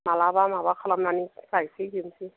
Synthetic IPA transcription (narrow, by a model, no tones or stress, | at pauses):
malabamabakʰalam̩nanɪsaisekem̩sɪ